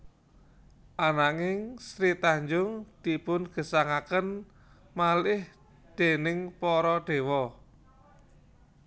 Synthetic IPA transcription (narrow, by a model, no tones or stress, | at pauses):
ʔanaŋɪŋsɾit̪aɲd͡ʒʊŋd̪̥i̤pʊnɡ̥ə̤saŋakən | malɪh | d̪̥e̤nɪŋpɔɾɔɖ̪̥e̤wɔ